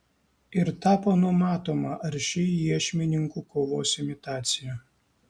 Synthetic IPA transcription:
ɪɾt̪ɑːpoːnʊmɑːt̪oːmɐʔɐɾʲʃʲɪjiɛʃʲmʲɪnʲɪŋkuːkoːʋoːsʲɪmʲɪt̪ɑːt̪sʲɪjæ

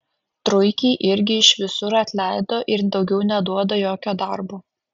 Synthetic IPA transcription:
t̪ɾʊɪkʲiːʔɪɾʲɡʲɪɪʃʋʲɪsʊɾɐt̪ʲlʲæˑɪd̪oːʔɪɾd̪ɒʊɡʲɛʊnʲɛd̪uɔd̪ojoːkʲoːd̪ɐɾbuː

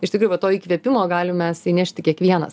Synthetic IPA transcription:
ɪʃt̪ʲɪkɾuːjʊʋɐt̪oːiːkʋʲiɛpʲɪmoːɡɑːlʲɪmmʲɛsiːnʲæʃʲt̪ʲɪkʲiɛkʋʲiɛnɐ̰s

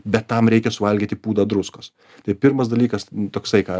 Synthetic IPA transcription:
bʲɛt̪ːɐmɾʲɛɪkʲɛsʊʋɐlʲɡʲiːt̪ʲɪpuːd̪ɐd̪ɾʊskos | t̪ɐɪpʲɪɾmɐs̬d̪ɐlʲiːkɐst̪oːksɐɪkɑː

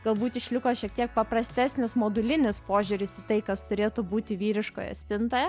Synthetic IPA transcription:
ɡ̥ɐlˠbuːt̪ʲɪʃʲlʲɪkoːʃʲiɛk̚t̪ʲiɛk̚pɐpɾɐsʲt̪ʲæsʲnʲɪsmoːd̪ʊlʲɪnʲɪspoːʒʲʊɾʲɪsɪt̪ɐɪkɐst̪ʊɾʲeːt̪ʊbuːt̪ʲɪʋʲiːɾʲɪʃko̰ːjɛ̰sʲpʲɪnt̪oːjɛ

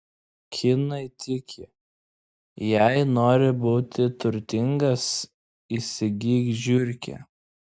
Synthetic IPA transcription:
kʲʰɪnɐɪt̪ʲɪkʲʰɪ | jæɪnoːɾʲɪbuːt̪ʲɪt̪ʊɾʲt̪ʲɪŋɡɐs | isʲɪɡʲiːɡʒʲʊɾʲkʲɛ̰

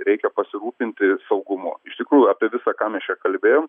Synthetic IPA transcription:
ɾʲɛɪkʲɛpɐsʲɪɾuːpʲɪnʲt̪ʲɪsɐʊɡʊmʊ̰ɪʃt̪ʲɪkɾuːjʊɑːpʲieɛʋʲɪsɑːkɑːmʲɛst͡ʃʲɛkɐlʲbʲeːjoːm

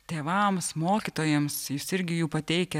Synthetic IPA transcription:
t̪ʲeːʋɐmsmoːkʲit̪oːjɛmsjuːsɪɾʲɡʲɪjuːpɐt̪ʲɛɪkʲɛ

